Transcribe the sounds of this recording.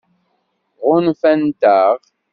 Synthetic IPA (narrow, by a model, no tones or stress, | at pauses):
ʁʊnfænt̪aʁ